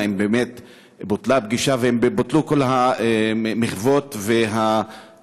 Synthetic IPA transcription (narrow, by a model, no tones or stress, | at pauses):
embeːmet̪ | bot̪labɡiʃaveembbot̪luko̞lhaemiχvo̞t̪veɦa